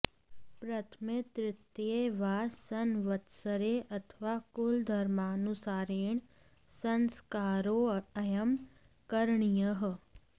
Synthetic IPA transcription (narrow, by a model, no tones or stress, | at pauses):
pɾɐt̪ʰmet̪ɾɪt̪jeʋaːsɐnʋət̪səɾeʔɐt̪ʰʋaːkʊld̪ʱɐɾmaːnusaːɾeːɳ̃ | sɐnskaːɾoɐjəm | kəɾɳijəɦ